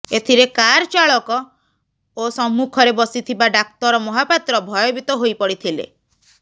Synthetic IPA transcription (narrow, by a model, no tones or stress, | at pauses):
et̪ʰiɾekaɾɔt͡ʃaɭɔkɔ | osɔmːukʰɔɾebɔsit̪ʰibaɖakt̪ɔɾɔmɔɦapat̪ɾɔbʱɔjɔbit̪ɔɦojpɔɽit̪ʰilḛ